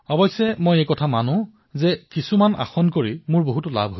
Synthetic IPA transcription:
ɔbɔjsɛmojekɔtʰamanʊ̃ | zɛkisumana̰xɔnkoɹimʊɹboɦutʊla̰bʱɦo

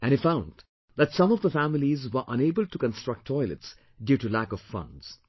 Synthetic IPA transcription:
ʔæ̃nifãʊ̃nd | ðætsʌ̃mɔvd̪əfæmɪlizwə˞ʔʌ̃neːbəlʈukə̃nstɹ̥ʌk̚ʈtʰːɔɪlə̰ts | djuːʈulækɔv̥fʌ̰̃ndz̥

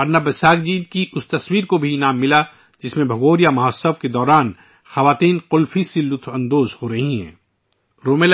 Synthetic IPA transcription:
ɐɾnabɐsaːɡ̚d͡ʒiːd̪̚kiʊst̪ɐswiːɾkobʱinaːmːɪla | d͡ʒɪsmẽbʱɐɡoːɾijamɐɦɔːsəfked̪ɔːɾaːn | xɐʋaːt̪iːnqʊlfisilʊt̪ʰɐ̃nd̪oːzhoɾɐɦiɦɛ̰̃ː | ɾoːmel

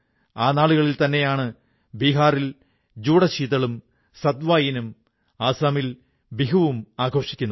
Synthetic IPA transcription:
aːnaːɭuɣɐɭilt̪ɐnːe̞jaːɳɨ | biːɦaːril | d͡ʑuːɽɐɕiːðɐɭum | sɐd̪ʋaːjinum | aːsaːmil | biɦɐʋumaːɡʱo̞ːʂikʲːunːɐ

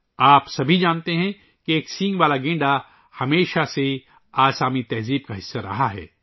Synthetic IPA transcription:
aːpsɐbʱid͡ʒaːnt̪eɦɛ̃ | kieːksɪ̃ŋɡʋaːlaɡẽːɳɖa | hɐmeːʃase | aːsaːmit̪ɐɦziːb̚kaɦɪsːaɾɐ̰ɦaɦɛ̰ː

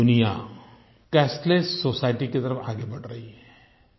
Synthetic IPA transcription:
ʊnija | kɛːsʈlessoːsaːɪʈiket̪ɐɾəfʰaːɡebɐʈɾɐɦiɦɛː

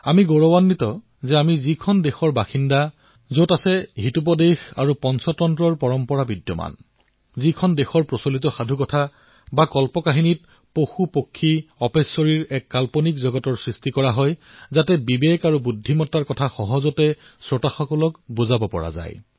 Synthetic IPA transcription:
amiɡoɹɔwanːitɔ | zɛamizikʰɔndexɔɹbaxinda | zotasɛɦitup̬ɔdexa̰ɹupɔnsɔtɔntɹɔɹpɔɹɔmpɔɹabidjɔ̰ma̰n | zikʰɔndexɔɹpɹɔsolit̬ɔxadʱukɔtʰa | bakɔlpɔkaɦinit̚ | poxupokʰːiɔpesɔɹiɹɛkːalpɔnikzɔɡɔtɔɹsɹistikɔɹaɦɔjzatɛbibekaɹubudʱːimɔtːaɹkɔtʰaxɔɦɔzɔtɛsɹɔtaxɔkɔlɔkbuzabɔpɔ̰ɹa̰za̰j

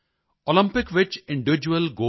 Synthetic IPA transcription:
olɪ̃mpɪkʋɪt͡ʃɪ̃ɳɖɪʋɪd͡ʒuəlɡoː

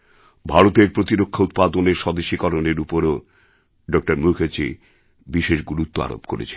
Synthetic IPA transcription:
bʱaɾot̪eɾpɾot̪iɾokʰːaut̪̚pad̪oneɾʃɔd̪eʃːikɔɾoneɾupoɾo | ɖɔk̚ʈaɾmukʰet͡ɕi | biʃeʃɡuɾut̪ːoa̰ɾo̰pkoɾḛt͡ɕʰe̥

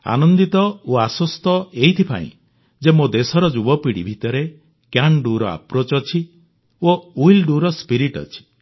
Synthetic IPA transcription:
a̰nɔnd̪it̪ɔoasɔst̪ɔeɦit̪ʰipa̰ḭ̃ | d͡ʒemod̪esɔɾɔd͡ʒubɔpiɽibʱit̪ɔɾe | kjaɳɖuɾɔa̰pɾot͡ʃɔt͡ʃʰi | oujlɖuɾɔspiɾiʈɔ̰t͡ʃʰi̥

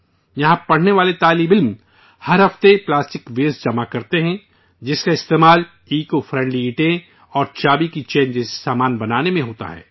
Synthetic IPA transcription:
jɐɦãpɐɽ̤neʋaːlet̪aːliːmɪlm | hɐɾɦɐft̪eplaːsʈɪkʋeːzd͡ʒɐmakɐɾt̪eɦɛ̃ | d͡ʒɪskaɪst̪eːmaːl | iːkofɾɛ̃ːɳɖliːʈẽ | ɔːɾt͡ʃaːbikit͡ʃeːnd͡ʒɛːse̥saːmaːnbɐnaːnemẽɦoːt̪a̰ɦɛ̰ː

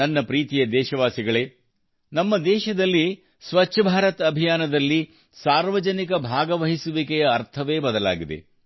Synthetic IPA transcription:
ɐnːɐpɾiːt̪ijɐd̪ɛːʃɐʋaːsiɡɐɭeː | nɐmːɐd̪ɛːʃɐd̪ɐlːi | sʋɐtːʃʰɐbʱaːɾɐt̪ɐbʱijaːnɐd̪ɐlːi | saːɾʋɐd͡ʒɐnikɐbʱaːɡɐʋɐɦisuʋikɛjɐːɾt̪ʰɐʋe̞ːbɐd̪ɐla̰ːɡid̪ḛ

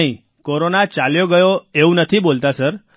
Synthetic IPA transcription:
ĩ | koɾonat͡ʃaljoɡəjoeũnət̪ʰibolt̪asəɾ

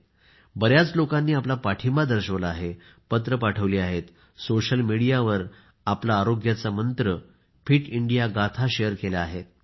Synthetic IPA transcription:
bəɾjat͡slokãnːiːaplapaʈʰimbad̪əɾɕəʋlaːɦe | pət̪ɾəpaʈʰəʋliːaɦet̪ | soɕəlmiɽijaʋəɾ | aplaːɾoɡjat͡samənt̪ɾə | fʰiːʈiɳɖijaɡat̪ʰaɕejəɾkelaːɦet̪

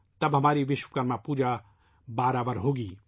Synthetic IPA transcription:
t̪ɐbɦɐmaːɾiʋɪʃwəkəɾmãpuːd͡ʒa | baːɾaːʋəɾɦoːɡiː

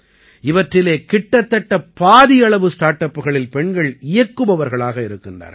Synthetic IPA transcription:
ɪʋɐʈrɪleːkɪʈːɐt̪ːɐʈːɐpːaːðɪjɐɭɐʋɯsʈaːʈːɐpːɯɣɐɭɪlpɛɳɡɐɭɪjɐkːɯʋɐʋɐɾɣɐɭaːɣɐɪɾɯkːɪnda̰ːɾ

